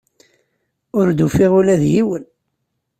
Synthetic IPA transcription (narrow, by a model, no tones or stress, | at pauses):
ʊɾd̪ufɪʁulæðjiwən